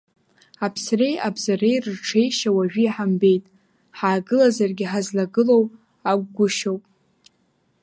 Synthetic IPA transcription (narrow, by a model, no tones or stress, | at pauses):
apʰsre̞jʔabzare̞jrɨrʈ͡ʂʰe̞jʃawaʒᶣiħambe̞jtʼ | ħaːɡɨlazarɡʲɪħazlaɡɨlo̞w | aɡʷɡʷʊʃowpʼ